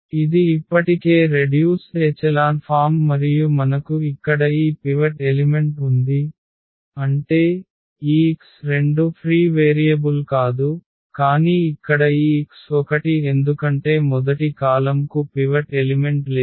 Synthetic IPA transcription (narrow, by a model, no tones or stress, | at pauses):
id̪iːpːɐʈike̞ːɾe̞ɖjuːst͡ʃeːt͡ʃɐlaːnpʰaːmːɐɾijumɐnɐkuikːɐɽɐiːpiʋɐʈelime̞ɳʈund̪i | ɐɳʈe̞ː | iːksɾe̞ɳɖupʰɾiːʋeːɾijɐbulkaːd̪u | kaːniːikːɐɽɐiːksɔkɐʈie̞nd̪ukɐɳʈe̞ːmɔd̪ɐʈikaːlɐmkupiʋɐʈelime̞ɳʈleː